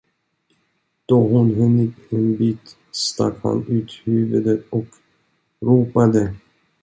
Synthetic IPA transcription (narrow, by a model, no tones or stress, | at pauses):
d̪̥ɔɦʊnɦɵnːɪt̪ɛnbiːt̪ | st̪a̰kha̰nʉ̟ːt̪hʉːvɵd̪ət̪ɔk | ɾuːpad̪ə